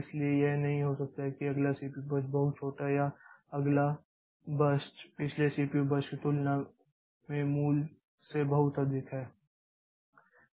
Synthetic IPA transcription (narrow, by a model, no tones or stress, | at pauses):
ɪsliejenɐɦĩɦosɐk̚t̪aɦɛkiɐɡlasiːpibɐsʈ̚bɐɦʊt̪̚t͡ʃʰoːʈaɦɛjaɐɡla | bɐsʈpɪt͡ʃʰlesiːpiobɐsʈkit̪ʊlna | mẽmuːl | sebɐɦʊt̪ɐd̪ɪkɦɛː